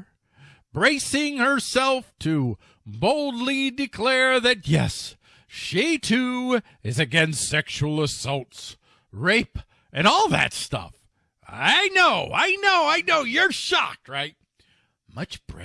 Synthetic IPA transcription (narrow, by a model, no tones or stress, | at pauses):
b̥ɹeɪsɪ̃ŋhə˞sɛlˠftʰɨ | boʊlˠdˡlidɨkʰl̥ɛɹðɨt̚jɛ̰s | ʃitʰʉ | ɨzɨɡɛ̃nstɛkʃul̩ˠəsʌlˠts | ɹeɪp | ʔɨ̃nɔlˠðɨ̰tstʌ̰f | aɪnoʊa̰ɪnoʊaɪnoʊjə˞ʃɑ̰k̚t̚ɹaɪt̚ | mʌt͡ʃb̥ɹɛ